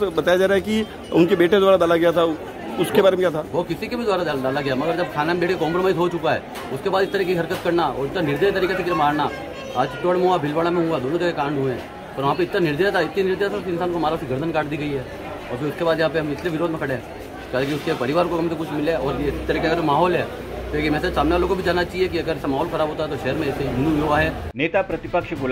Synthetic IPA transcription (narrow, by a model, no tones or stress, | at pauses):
bɐt̪aːjad͡ʒaːɾaːɛki | ʊnkebeːʈed̪ʊaːɾad̪aːlaɡɐjat̪ʰa | ʊskebaːɾemẽkjaːt̪ʰaːʋoːkɪsikebid̪ʊaːɾad̪ad̪aːlaɡɐjamɐɡəɾd͡ʒɐb̚kʰaːnamebeːʈkekɔ̃ːmpɾomaːɪsɦot͡ʃʊkaɦɛ̰ː | ʊskebaːd̪ɪst̪ɐɾikeiɦɐɾkət̪kɐɾnaɔ̰ːɾɪt̪ːɾanɪɾd̪eːjt̪ɐɾiːkesekɪmaːɾna | aːd͡ʒt͡ʃɪʈːoəɽmẽɦuabʱɪlbaɽamẽɦuad̪oːnõt̪ɐɾkekãːɳɖʱuẽ | ɔːɾʋɐɦãːp̬eɪt̪nanɪɾd̪eːt̪ʰaɪt̪nenɪɾd̪eːt̪ʰaʊskeɪnsaːnkoɦmaːɾaʊskiɡɐɾd̪ʱənkaːʈd̪iːɡɐiɦɛː | ɔːɾpʰɪɾʊskebaːd̪jɐɦãːpeɦɐmɪsleʋɪɾoːd̪ʱmẽkʰɐɽeɦɛ̃ː | kalãk̬iʊskepɐɾɪʋaːɾ̃kokɐmsekʊt͡ʃʰmɪleɔːɾeɪst̪ːɐɾiːkeɐɡəɾmaːɦɔːlɦɛː | leːkimɛ̃ːsesaːmneʋalõkobʱid͡ʒaːnːat͡ʃaːɦiek̬iɐɡəɾɛsamaːɦɔːlxɐɾaːbʱoːt̪aɦɛt̪oʃɛɦəɾmẽɛseɡʊnuoaɦɛː | neːt̪apɾɐt̪ɪpəkʃɡʊl